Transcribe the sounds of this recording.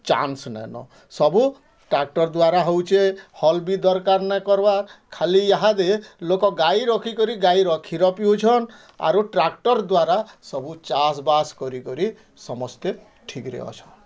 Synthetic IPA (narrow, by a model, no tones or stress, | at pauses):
t͡ʃa̰nsnɛ̰nɔ̰ | sɔbu | ʈɾak̚ʈɔɾd̪waɾaɦowt͡ʃʰehɔlbid̪ɔɾkaɾnɛkɔɾbaɾkʰaliaɦad̪elokɔɡajɾɔkʰikɔɾiɡaiɾɔkʰiɾɔpiut͡ʃʰɔn | a̰ɾuʈɾak̚ʈɔɾd̪waɾasɔbut͡ʃas̬baskɔɾikɔɾi | sɔmɔst̪e | ʈʰikɾḛɔ̰t͡ʃʰɔn